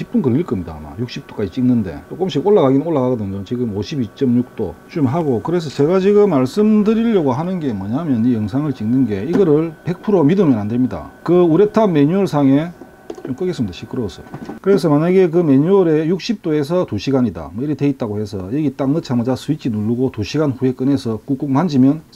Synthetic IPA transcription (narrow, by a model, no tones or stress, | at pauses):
ip͈unkɯɭːiɭk͈ʌmɲida̰ma̰juk̚ɕ͈ip̚t͈o̥k͈ad͡ʑit͡ɕ͈iŋnɯnde̞̰t͡ɕok͈omɕ͈ʰikoɭːaɣaɡinoɭːaɣaɡɯdɯmɲot͡ɕiɡɯmoɕʰibit͡ɕ͈ʌmɲuk̚t͈o̰t͡ɕumɭɦaɡokɯɾe̞s̬ʰʌt͡ɕe̞ɡat͡ɕiɡɯmːaɭs͈ɯmdɯɾiʎːʌɡoɦanɯnɡe̞mwʌɲamjʌnijʌŋsʰaŋɯɭt͡ɕ͈iŋnɯnɡe̞iɡʌɾɯɭpe̞k̚pʰuɾomidɯmjʌnandwe̞mɲida̰kɯuɾe̞tʰanme̞ɲuʌɭsʰaŋe̞ | t͡ɕomk͈ɯɡes͈ɯmɲidaɕʰik͈ʰɯɾosʰʌjkɯɾe̞sʰʌmaɲaɡe̞k̬ɯme̞ɲuʌɾe̞juk̚ɕ͈ʰip̚t͈oe̞s̬ʰʌtuɕʰiɡaɲida̰mʌiɾiteit̚t͈aɡohe̞sʰʌ̰jɯɡit͈aŋnɯt͡ɕʰamʌd͡ʑasʰuit͡ɕʰinuɭːuɡotuɕʰiɡanɸue̞k͈ɯne̞sʰʌk͈uk͈uk̚mand͡ʑimjʌn